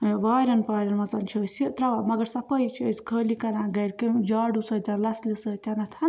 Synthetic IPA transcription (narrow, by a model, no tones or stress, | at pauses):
ʋaːɾʲɐnpaːɾʲɐnmɐt͡sɐnt͡ʃʰisit̪ɾɐʋamɐɡɐɾsɐpɐjt͡ʃʰiɐsʲkʰəːlikɐɾãːɡɐɽkid͡ʒaːɖusɐːt̪ʲɐnlɐslisət̪ʲɐnɐt̪ʰɐn